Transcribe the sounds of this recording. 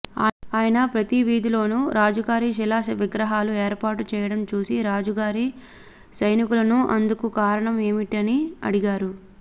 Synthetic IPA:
aaːjɐnɐpɾɐt̪iʋiːd̪ilo̞ːnuɾaːd͡ʒuɡaːɾiʃilaːɐʋiɡɾɐɦaːlue̞ːɾpaːʈut͡ʃɛːjɐɽɐmt͡ʃuːsiɾaːd͡ʒuɡaːɾi | sɐjnikulɐnuʔɐ̰nd̪ukukaːɾɐɳɐme̞ːmiʈiɐniɐ̰ɽiɡaːɾu

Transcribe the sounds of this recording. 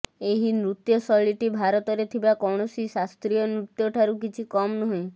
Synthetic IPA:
eɦinɾut̪jɔsɔɭiʈibʱaɾɔt̪ɔɾet̪ʰibakɔɽ̃ɔsisast̪ɾijɔnɾut̪jɔʈʰaɾukit͡ʃʰikɔmnɔɦĩ

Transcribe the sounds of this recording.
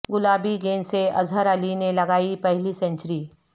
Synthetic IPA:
ɡʊlaːbiɡeːnseɐ̰zʱəɾəlinelɐɡaːipɛɦlisɐ̃ɲt͡ʃɾiː

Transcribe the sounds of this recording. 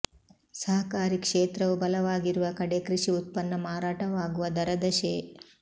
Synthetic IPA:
sɐɦɐkaːɾikʂeːt̪ɾɐʋubɐlɐʋaːɡiɾuʋɐkɐɽekɾiʂiut̪̚pɐnːɐmaːɾaːʈɐʋaːɡuʋɐd̪ɐɾɐd̪ɐʃeː

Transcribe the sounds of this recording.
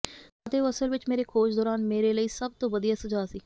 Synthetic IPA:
ət̪eːəsəlʋɪt͡ʃmeːɾekʰoːt͡ʃʰd̪ɔːɾaːnmeːɾeːləiːsəb̚t̪õːʋəd̪ijaːsəd͡ʒaːsiː

